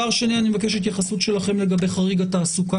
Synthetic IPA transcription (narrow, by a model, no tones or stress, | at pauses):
aʁʃenianimevakeʃet̪̬jaχasutʃe̞laχe̞mle̞ɡabe̞jχaʁiɡataːsuka